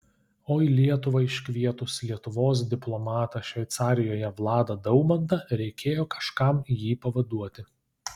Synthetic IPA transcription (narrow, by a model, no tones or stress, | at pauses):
oːɪlʲiɛt̪ʊʋɐɪʃʲkʲʋʲiɛt̪ʊslʲiɛt̪ʊʋoːs̬d̪ʲɪplˠɔmɑːt̪ɐʃʲʋʲɛɪt̪sɑːɾʲɪjoːjɛʋlˠɑːd̪ɐd̪ɐʊmɐnd̪ɐɾʲɛɪkʲeːjoːkʰɐ̥ʃkɐmjiːpɐʋɐd̪uɔt̪ʲɪ